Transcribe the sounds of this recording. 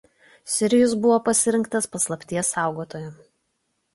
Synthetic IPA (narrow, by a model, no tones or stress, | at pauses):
sʲɪɾʲɪjʊsbʊʋoːpɐsʲɪɾʲɪŋkt̪ɐspɐslˠɐpʲt̪ʲiɛsːɑˑʊɡoːt̪oːjʊ